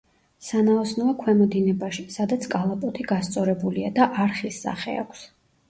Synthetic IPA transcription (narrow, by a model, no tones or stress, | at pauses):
sanaɔsnɔakʰwɛmɔd̪inɛbaʃisad̪at̪sʰkʼalˠapʼɔt̪ʰiɡast̪sʼɔɾɛbuliad̪aʔaɾχisːa̰χɛ̰a̰kʷʰs